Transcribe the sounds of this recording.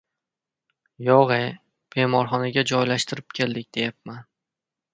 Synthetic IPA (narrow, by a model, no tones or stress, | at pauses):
jɒʁe | b̥e̞mɒɾχɒnaɡʲad͡ʒɒjlaʃt̪ʰɪɾɪp̚kʲʰe̞ld̪ɪkʲd̪̥e̞jap̚man